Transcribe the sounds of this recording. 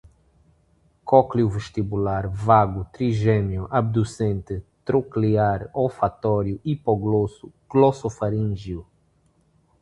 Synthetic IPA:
kɔkliuveʃt̪ibulaɾvaɡut̪ɾiʒɛnjuʔab̚d̪usẽnt̪ɪt̪ɾokliaɾofat̪ɔɾjuʔipoɡlosu | ɡ̥losofaɾĩʒiu

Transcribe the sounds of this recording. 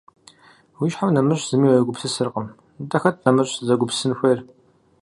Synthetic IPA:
wiʃħawnɐmɨɕz̥ɨmiːwɐjɐɡʷʊpsɨsɨrqəm | tɐxɐt̚ʰnɐmɨrɕzɐɡʷʊpsɨnxʷejr

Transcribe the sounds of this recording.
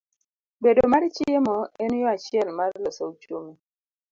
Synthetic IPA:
bedomaɾt͡ʃɪemɔenjɔat͡ʃɪɛlmarlɔsout͡ʃumi

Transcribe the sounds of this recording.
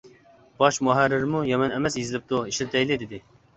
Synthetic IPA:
b̥ɑʃmuɦæɾːɪɾmujɛmɛnɛmɛsjizɪlɪp̚t̪uiʃlt̪ʰɛjlɪd̪ɪd̪ɪ

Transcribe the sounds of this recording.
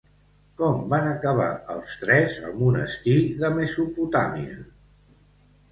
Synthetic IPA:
kɔmbanəkəβ̞a̰əlˠst̪ɾɛzə̰lˠmunə̰sk̪iðəməsuput̪amiə̰

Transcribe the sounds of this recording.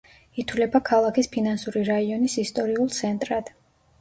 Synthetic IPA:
it̪ʰwlɛbakʰalˠakʰispʰinansuɾiɾaiɔnisist̪ʼɔɾiulˠt̪sʰɛnt̪ʼɾad̪̥

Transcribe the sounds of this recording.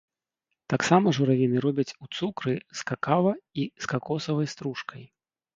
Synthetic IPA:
t̪aksamɐʐuɾavʲinɨɾɔbʲɐt͡sʲut̪sukɾɨskakavɐiskakɔsɐvɐjst̪ɾuʂkɐj

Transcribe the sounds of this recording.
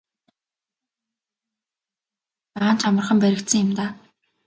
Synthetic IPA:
p̪aʁaːnt͡ɕʰamə̆rχə̆mpæɾʲɪ̆kt̪sɘ̆ŋɪ̆mt̪aː

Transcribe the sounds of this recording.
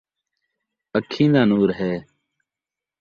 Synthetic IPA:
əkʰːĩːnd̪aːnuːɾɦeː

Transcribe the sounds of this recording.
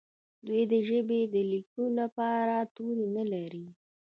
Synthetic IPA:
d̪wujd̪əʒəbed̪əlikulapɑɾat̪uɾinəlaɾi

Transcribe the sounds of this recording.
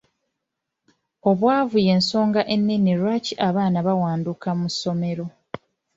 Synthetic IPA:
o̞βwaːvuje̞ːnso̞ːŋɡaʔe̞nːiniɾwaciʔaβaːnaβawaːndukamuso̞me̞ɾo̞

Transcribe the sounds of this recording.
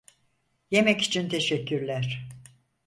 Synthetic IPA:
je̞mɛci̥t͡ʃʰint̪ʰe̞ʃɛcʰːyɾlʲæɾ̥

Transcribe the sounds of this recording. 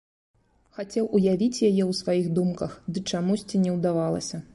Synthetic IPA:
xat͡sʲɛwʔujavʲit͡sʲjajɛwsvajiɣd̪umkɐxd̪ɨt͡ʂamusʲt͡sʲinʲɛwd̪avalˠɐ̰sʲɐ

